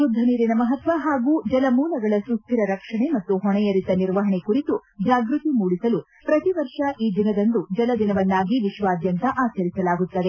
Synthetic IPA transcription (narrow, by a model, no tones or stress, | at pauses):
ʃud̪ʱːɐniːɾinɐmɐɦɐt̪ʋɐɦaːɡuːd͡ʒɐlɐmuːlɐɡɐɭɐsust̪ʰːiɾɐɾɐkʂɐɳe̞mɐt̪ːuɦɔɳɛjɐɾit̪ɐniɾʋɐɦɐɳekuɾit̪ud͡ʒaːɡɾut̪imuːɽisɐlu | pɾɐt̪iʋɐɾʂɐʔiːd̪inɐd̪ɐnd̪ud͡ʒɐlɐd̪inɐʋɐnːaːɡiʋiʃʋaːd̪jɐnt̪ɐʔaːt͡ʃɐɾisɐlaːɡut̪ːɐd̪e̞